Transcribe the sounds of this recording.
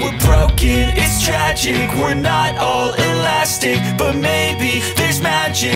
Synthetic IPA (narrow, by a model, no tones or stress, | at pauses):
wəbɹoʊkɨ̃nɪstʰɹ̥æd͡ʒɪkwə˞nəɾɔlˠɪlæstɪk̚b̥ʌt̚meɪbi | ðɪəzmæd͡ʒɪ